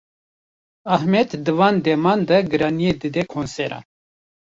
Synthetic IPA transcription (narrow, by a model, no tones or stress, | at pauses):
ahmɛt̪d̪ɨvɑːnd̪ɛmɑːnd̪ɐɡɨɾɑːnijed̪ɨd̪ɛkʰonsɛɾɑ̰n